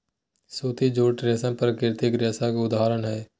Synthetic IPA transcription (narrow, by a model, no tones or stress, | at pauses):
suːt̪id͡ʒoːʈɾeːsə̃npəɾkɪɾt̪ɪkɾjaːsakʊd̪aːɾənɦɛː